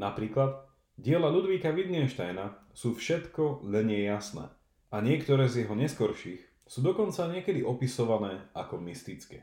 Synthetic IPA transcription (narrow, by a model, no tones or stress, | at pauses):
napɾiːklad̪ | ɟɪɛlaʎud̪ʋiːkaʋid̪ɲɛnʃt̪ajna | suːfʃɛt̪kɔlɛɲɪɛjːasnɛ̰ː | aɲɪɛkt̪ɔɾɛːzjɛɦɔɲɛskɔɾʃiːx | suːd̪ɔkɔnt͡saɲɪɛkɛd̪iʔɔpisɔʋanɛːʔakɔmist̪it͡skɛ̰ː